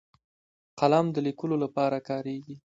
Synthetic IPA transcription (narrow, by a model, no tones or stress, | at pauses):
qalamd̪əlikəlolapɑɾakɑɾeɡi